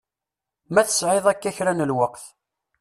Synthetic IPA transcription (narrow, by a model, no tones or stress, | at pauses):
mæθə̥sʕeðˤækːæçɾænəlwəqθ